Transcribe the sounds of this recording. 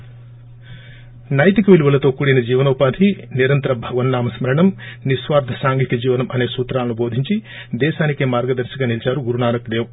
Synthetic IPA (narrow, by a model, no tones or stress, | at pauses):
nɐjt̪ikɐʋiluʋɐlɐt̪oːkuːɽijnɐd͡ʒiːʋɐnɐupaːd̪ʱiniɾɐnt̪ɾɐbʱɐʋɐnːaːmɐsmɐɾɐɳɐmnisʋaːɾd̪ʱɐsaːŋɡit̪ɐd͡ʒiːʋɐnɐmʔɐne̞ːsuːt̪ɾaːlɐnubo̞ːd̪ʱiɲt͡ʃi | d̪ɛːʃaːnikeːmaːɾɡɐd̪ɐɾʃɐɡaːnilt͡ʃaːɾuɡuɾunaːnɐkd̪eːʋɐ